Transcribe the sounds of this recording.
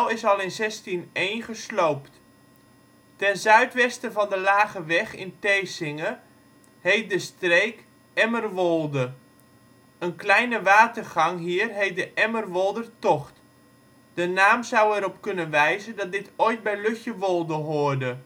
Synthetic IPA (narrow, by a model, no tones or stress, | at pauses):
ɛlˠɪsɑlˠɪnzɛstinejnχəslowpt | tɛnzœɥtʋɛstəvɑndəlaːɣəʋɛxɪ̰nteːsɪŋə | hejt̚dəstreːk | ɛmərʋolˠdə | ənklɛjnəʋaːtərχɑŋɦiːrɦejt̚dəʔɛmərʋolˠdərtɔχt | d̥ənaːmzawɛɾɔpkɵnənʋɛjzədɑt̚dɪtoːjt̚bɛjløxjəʋolˠdəɦoʊərdə